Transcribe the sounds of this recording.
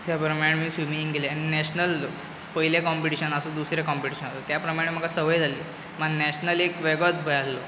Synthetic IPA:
t̪japɾəmaɽ̃miːsʋiminĩŋɡɡeleaɽ̃inæɕnəl | pəɦilekɔmpiʈiɕənasod̪usɾekɔmpiʈiɕənasot̪japɾəmãem̤əɡasəʋəjd͡zʱaliː | məɡnæɕnəlekʋeɡət͡sbʱəjallo

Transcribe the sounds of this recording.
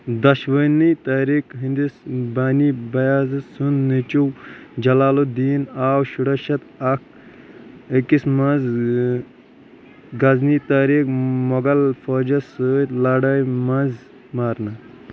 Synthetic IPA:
d̪ɐʃʋənit̪aːɾikɦind̪isbaːnibɐjaːzɐsunːit͡ʃuwd͡ʒɐlaːlod̪iːnaːwʃuɽɐʃɐt̪ɐk̚ʰ | əkismɐnz | ɡɐznit̪aːɾiːkmɔɡɐlfoːd͡ʒɐsɨt̪ʲlaːɽɐjmɐnz | maːɾnɐ

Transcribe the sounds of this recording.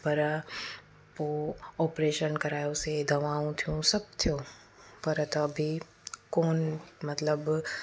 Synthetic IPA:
pɐɾ | poːɔːpɾeːʃənkɐɾaːjosed̪ʱɐʋaːũt̪ʰijũsɐb̚t̪ʰijoː | pɐɾt̪ɐbʱi | koːnmɐt̪ləb

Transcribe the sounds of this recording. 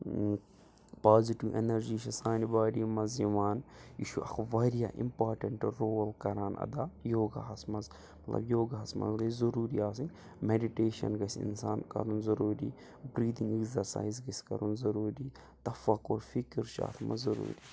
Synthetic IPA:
paːziʈiʋʔḛnɐɾd͡ʒiʃɐsaːnibaːɖiːmɐziʋaːniʃuʔɐ̰xʰʋɐɾijaʔḭmpaːɾʈɐɳʈɾoːlkɐɾaːnʔɐ̰d̪aːjoːɡa̰ɦɐsmɐz | mɐt̪lɐ̰bjoːɡaɦɐsmɐ̰zɡɐzɐɾuːɾiaːs̬iŋ | meɖiʈeːʃɐ̰nɡɐsʲḭnsaːnkɐ̰ɾunzɐɾuːɾḭː | bɾiːd̪iŋɡekzɐɾsa̰ːjzɡɐsʲkɐ̰ɾunzɐɾuːɾiː | t̪ɐfɐkoːɾfikiɾʃa̰ːt̪ʰmɐ̰zɐɾṵːɾiː

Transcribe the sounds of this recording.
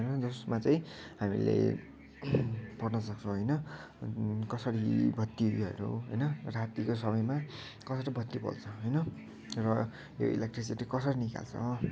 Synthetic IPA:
ɾd͡zosmat͡sʌj̃ɦamḭlḛ | pʌrnʌsʌk̚t͡sʰõɦʌjnʌ | kʌsʌɾibʱʌt̪ːiʌ̰ɾṵɦʌjnʌrat̪ikosʌbʌjma | kʌsʌʈʌbʱʌt̪ːipʌ̰lt͡sʰʌɦʌjnʌ | rʌ | jo̰ḭlekʈrisiʈikʌsʌɾinika̰lt͡sʰʌ̰

